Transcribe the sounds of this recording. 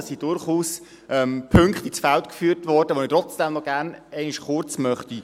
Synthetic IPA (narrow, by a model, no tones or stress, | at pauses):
sid̥ʊɾχuːs | ɛmpʰʏŋkχt̪it͡sfɛltkfyːtʋɔɾdəʋonitɾɔt͡sd̥ɛmnɔɡæɾnɛɪnɪʃχʊɾt͡smœχti